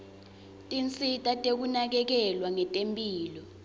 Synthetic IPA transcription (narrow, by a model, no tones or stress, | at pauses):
tʼint͡sʼitʼatʼek̬unak̬ɛk̬ɛlwaŋɛtʼempʼiːlɔ